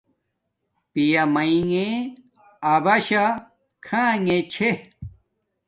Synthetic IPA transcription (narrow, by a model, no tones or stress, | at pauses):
pijɐmɐiŋeː | bɐɕa | kʰãːŋet͡ɕʰe